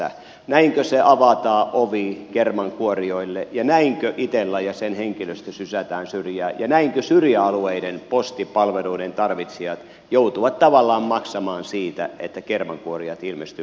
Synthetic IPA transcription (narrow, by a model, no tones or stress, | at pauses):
æ̰ | næiŋkøseʔɑʋɑt̪ɑːʔoʋikermɑŋkuorioilːejɑnæiŋkøʔit̪elːæjɑsenheŋkiløst̪æsysæt̪æːnsyrjæːjɑnæiŋkøsyrjæɑlueidenpost̪ipɑlʋeluident̪ɑrʋit̪siɑt̪ | jout̪uʋɑt̪t̪ɑʋɑlːɑːmmɑksɑmɑːnsiːt̪æ̰et̪ːækermɑŋkuoriɑt̪ilmest̪y